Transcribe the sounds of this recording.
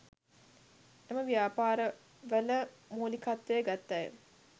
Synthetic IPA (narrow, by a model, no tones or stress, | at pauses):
eməʋijaːpaːɾə | ʋələ | moːlikat̪ːəjəɡat̪ːajə̰